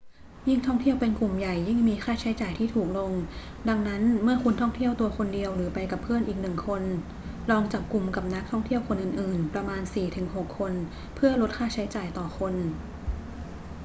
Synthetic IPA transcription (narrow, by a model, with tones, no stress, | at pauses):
ji˥˩ŋt̪ʰɔ˥˩ŋt̪ʰi˥˩əwpe˧nku˨˩mja˨˩jːi˥˩ŋmiː˧xʰaː˥˩t͡ɕʰa˦˥jt͡ɕaː˨˩jt̪ʰiː˥˩t̪ʰuː˨˩k̚lo˧ŋ | da˧ŋna˦˥nmɯ˥˩ɐku˧nt̪ʰɔ˥˩ŋt̪ʰi˥˩əwt̪u˧ɐkʰo˧ndi˧əwɾɯː˩˦pa˧jka˨˩pʰːɯ˥˩ənʔiː˨˩k̚nɯ˨˩ŋkʰo˧n | lɔː˧ŋt͡ɕa˨˩p̚ku˧mka˨˩p̚na˦˥k̚t̪ʰɔ˥˩ŋt̪ʰi˥˩əwkʰo˧nʔɯː˨˩nʔɯː˨˩npɾa˧maː˧nsiː˨˩t̪ʰɯ˩˦ŋɦo˨˩kʰːo˧n | pʰɯ˥˩ɐlo˦˥t̪̚kʰaː˥˩t͡ɕʰa˦˥jt͡ɕaː˨˩jt̪ɔː˨˩xʰo˧n